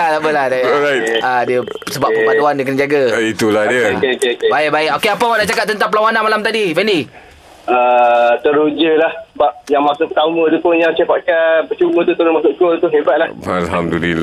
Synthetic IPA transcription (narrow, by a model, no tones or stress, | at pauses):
adaʔpəlahdaɾajt̚adiə | səbaʔpəmat̪uandəkənd͡ʒaɡait̪ulahdiəekeokebaɪk̚baɪkokeapəanaʔt͡ʃakat̚t̪ənt̪aŋpəlawanãnmalamt̪adifɛndi | ət̪əɾud͡ʒəlahbap̚jaŋmasʊʔpət̪amə̃t̪upʊnjaŋt͡ʃepaʔ̚kanbət͡ʃumət̪ut̪əɾʊnmasʊʔ̚kolt̪uɦebat̪̚laalɦamdulila